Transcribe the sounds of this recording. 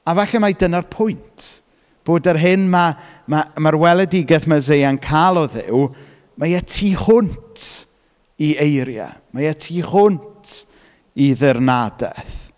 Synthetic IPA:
avaɬɛmajdənarpʰʊjntʰ | b̥oːdərɦɨnmamamarwɛlˠɛdɪɡɛθmazejankʰalˠɔðɪ̰w | majatʰiːχʊntʰ | iejɾja̰majatʰiːχʊntʰ | iðɪrnadɛ̰θ

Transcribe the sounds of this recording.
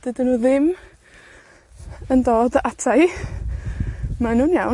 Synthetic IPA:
d̥ɪdənuːðɪm | əndɔːdʔatʰaj | manunjaw

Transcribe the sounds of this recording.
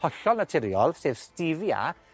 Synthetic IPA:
ɔɬɔlˠnatʰɪɾjɔlˠsev̥stɪvja̰

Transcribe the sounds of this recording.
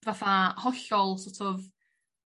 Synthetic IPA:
vaθahɔɬɔlˠsɔtʰɔv

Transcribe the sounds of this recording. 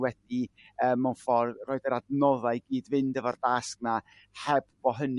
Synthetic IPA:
wɛd̥i | əːmːawnfɔrroːɨdəɾadnɔðaɨɡiːdvɪndəvardask̚na | hɛbb̥ɔɦən

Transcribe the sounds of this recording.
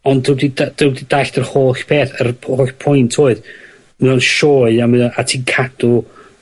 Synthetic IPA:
ɔndɪwdidad̥əwdid̥aɬdərhoːɬpʰeːθərhoːɬpʰʊjntʰoːɨð | mɨɔnʃoːɨamɨðaʔatʰiːnkʰadʊ

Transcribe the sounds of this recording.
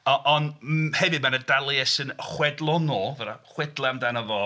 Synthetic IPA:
ɔʔɔnhɛvɨmanədalˠjɛsɨnχwɛdlˠɔnoːvəɾaχwɛdlˠaamdanəvɔ

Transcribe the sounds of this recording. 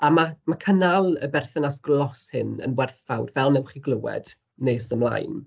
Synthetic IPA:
amamakʰənalˠəbɛrθɛnasɡlˠɔshɪnə̰nwɛrθvawdvɛlˠnɛwχiɡlˠəwɛ̰d̥ | neːsəmlˠa̰jn

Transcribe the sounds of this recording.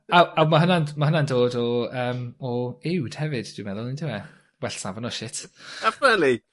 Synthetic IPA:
awawmaɦənanmahənandoːdɔəːmɔɪwd̥hɛvɨd̥d̥wimɛðʊlˠɪndʰɪwɛ | wɛɬsavanɔʃɪtʰafəli

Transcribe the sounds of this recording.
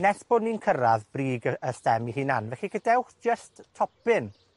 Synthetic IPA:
nɛsb̥ɔdninkʰəɾaðbriːɡəəstɛmiɦiːnanvɛɬikədɛwχd͡ʒ̥əsttʰɔpɪn

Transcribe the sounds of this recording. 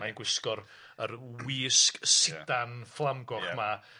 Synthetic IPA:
ajnɡwɪskɔɾ | ərwiːsksɪdanflˠamɡɔχma

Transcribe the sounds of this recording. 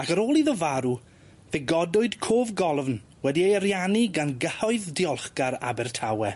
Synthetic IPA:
akəɾoːlˠiðɔvaɾu | veɡɔdʊɨdkʰoːvɡɔlˠvn | wɛdiejəɾjaniɡanɡəhɔɨðdiɔlˠχɡaɾa̰bɛrtʰawɛ

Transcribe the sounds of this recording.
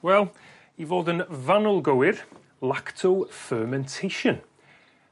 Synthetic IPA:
wɛlˠ | ivoːdənvanəlˠɡowɪr | lˠaktʰowfɜːmɛ̃ntʰejʃən

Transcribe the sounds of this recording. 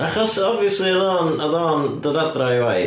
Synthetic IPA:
aχɔsɔbviəsliəðɔːnəðɔːndəðadrajwaj

